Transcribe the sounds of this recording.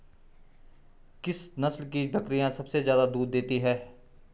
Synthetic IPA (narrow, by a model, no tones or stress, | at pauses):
kɪsnɐslkibʱɐkɾijãsɐbsezjaːd̪ad̪uːɾd̪eːt̪iɦɛː